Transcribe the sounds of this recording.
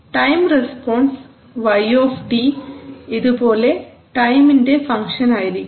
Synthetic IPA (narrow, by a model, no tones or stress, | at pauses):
ʈɐjmrespoːɳs | ʋɐjoːfʈiiðupoːle̞ | ʈɐjminde̞fɐŋkʂɐnaːjiɾikʲː